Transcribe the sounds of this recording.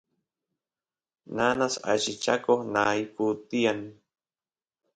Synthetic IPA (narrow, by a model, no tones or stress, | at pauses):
nanasa̰ʃit͡ʃa̰kohnaiput̪ian